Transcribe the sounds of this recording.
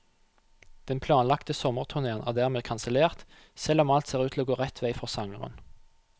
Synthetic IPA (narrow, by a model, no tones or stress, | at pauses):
d̪̥ɛnpʰlɑːnlɑkt̪əsɔməʁt̪ʰʉʁneːənʔæːʁd̪æːʁmeːkʰɑnsəleːʁt̪ | sɛlɔmɑlt̪seːʁʉːt̪ʰɪloːɡoːʁɛt̪ʰʋæɪfɔʁsɑŋəʁə̰n